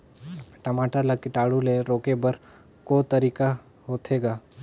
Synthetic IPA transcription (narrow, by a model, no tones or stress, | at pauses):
ʈɐmaːʈalakɪʈaːɽuleɾoːkebəɾ | koːt̪əɾiːka | ɦoːt̪ʰeːɡaː